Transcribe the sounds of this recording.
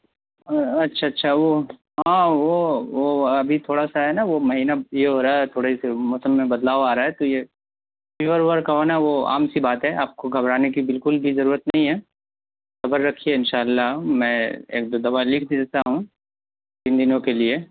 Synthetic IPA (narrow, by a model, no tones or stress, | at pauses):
ɐtːʃʰaɐtːʃʰaʋo | ɦãːʋoʋoɐbʱit̪ʰoːɽasaɦɛnaʋomɐɦiːnajeɦoːɾaːɛt̪ʰoːɽeisemʊsəmːẽbɐd̪laːʋaːɾaːɦɛt̪oje | fɪʋəɾʋəɾkaɦonaʋoa̰ːmsibaːt̪ɦɛaːp̚koɡʱɐbɾaːnekibɪlkʊlbʱizɐɾuːɾət̪nɐɦĩɦɛː | sɐbəɾːɐkʰieɪnʃaːlːamɛ̃ːḛːk̚d̪oːd̪ɐʋalɪkʰd̪id͡ʒat̪aɦũ | t̪ind̪ɪnõkelie